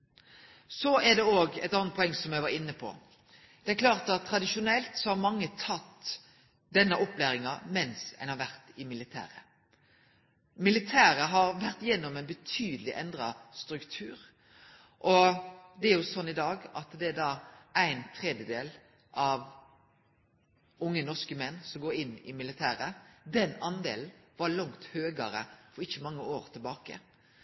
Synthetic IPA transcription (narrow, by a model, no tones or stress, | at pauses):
sɔæd̪ɛoːɡɛ̰ɪt̪ɑnət̪̚pʰʊɔɛŋːsɔmjæɡʋɑɾɪnːəpʰɔ̰ | d̪̥ɛæɾklɑːʁt̪ɑt̪ʰːɾɑd̪ɪʃʊnɛlt̪sɔhɑɾmɑŋːət̪ʰɑt̪ː | d̪ɛnːəʔɔpːlæːɾɪŋɑmɛnsæ̰ɪnhɑɾʋæʁt̪ɪmɪlɪt̪ʰæ̰ːɾə | mɪlɪt̪ʰæːɾəɦɑɾʋæɾt̪jɛnːɔmæɪnbət̪ʰyːd̪əlɪʔɛnd̪ɾɑst̪ɾʉkt̪ʰʉːɾ | ʔɔd̪ɛæɾʁjʊsɔnːɪd̪ɑːɡɑt̪d̪ɛæd̪ɑːæɪnt̪ʰʁɛd̪jəd̪eːl | ʔɑʋ | ʊŋːənɔʁskəmɛnːsɔmɡoːɾɪnːɪ̰mɪlɪt̪ʰæːɾəd̪ɛnɑnd̪eːlnʋɑɭɑŋt̪høːɡəɾəfɔɾɪçːəmɑŋːəoːʁt̪ʰɪlbɑːkə̰